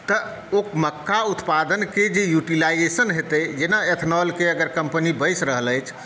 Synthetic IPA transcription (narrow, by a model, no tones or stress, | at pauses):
t̪ə | okməkːaut̪pad̪ənked͡ʒejuʈilajd͡ʒesənɦet̪əjd͡ʒenaet̪ʰnɔlkeəɡəɾkəmpənibəjsɾəɦələjt͡ʃʰ